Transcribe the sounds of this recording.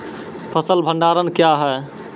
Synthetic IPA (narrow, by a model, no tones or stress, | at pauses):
pʰəsəlbʱə̃ɳɖaɾənkjaɦɛ